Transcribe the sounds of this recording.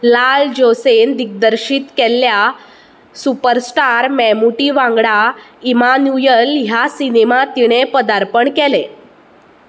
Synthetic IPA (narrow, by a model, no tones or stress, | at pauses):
lald͡ʑosend̪ik̚d̪əɾɕiːt̪kɛlja | supəɾsʈaɾmɛmuʈiʋãŋɡɽaimanujəlɦjasinemat̪iɽ̃epəd̪aɾpəɳkɛle